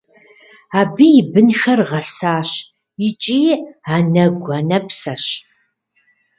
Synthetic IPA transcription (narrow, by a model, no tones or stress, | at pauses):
aːbijɪbɨnxɐrʁɐsaːɕ | ɪt͡ʃʼiːaːnɐɡʷɐnɐpsɐɕ